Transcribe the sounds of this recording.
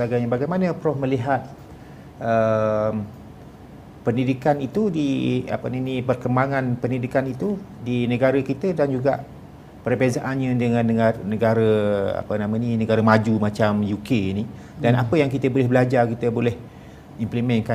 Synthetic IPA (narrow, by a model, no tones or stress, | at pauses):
aɡajɲabaɡajmanə̃pɾɔhməliɦat̪̚ | əm | pəndidikanit̪udia̰pənanipərkəmbaŋãnpəndidikanit̪udinəɡaɾəkit̪ədand͡ʒuɡa̰ʔ | pərbezaʔanɲə̃dəŋãnːəŋarnəɡaɾəa̰pənãmə̃ninəɡaɾəmad͡ʒumat͡ʃamjukeini | dana̰pəjaŋkit̪əbolɛhbəlad͡ʒakit̪əbolɛh | implimɛnka